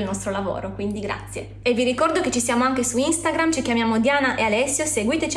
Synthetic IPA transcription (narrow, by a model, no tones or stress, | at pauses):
lnɔst̪ɾolavo̰ːɾokwind̪iɡɾa̰t̪sːje | eviɾikɔrd̪oket͡ʃisjaːmoaŋkesuinst̪aɡɾamt͡ʃikjamjaːmod̪jaːnaʔealɛsːjoseɡwiːt̪et͡ʃ